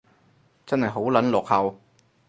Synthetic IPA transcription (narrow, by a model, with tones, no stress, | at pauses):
t͡sɐ˥nhɐ˨jɦo˨˥wlɐ˨˥nlɔː˨k̚hɐ˨w